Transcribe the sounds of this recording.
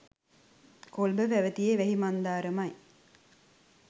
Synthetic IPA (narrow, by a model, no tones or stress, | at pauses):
kolbəʋæʋət̪ijeʋæɦimand̪aːɾəmaj